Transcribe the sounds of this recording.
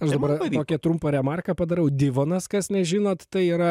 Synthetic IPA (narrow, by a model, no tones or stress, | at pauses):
ɐʃd̪ɐbɐroːkʲɛt̪ɾʊmpɐɾʲɛmɑːrkɐpɐd̪ɐɾɛʊd̪ʲɪʋoːnɐskɐsnʲɛʒʲɪːnoːt̪t̪ɐɪiːɾɐ